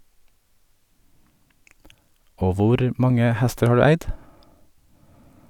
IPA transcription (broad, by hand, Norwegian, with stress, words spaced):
ˈoː ˈʋʊɾ ˈmɑŋə ˈhɛstəɾ ˈhɑː ˈɖʉː ˈæɪd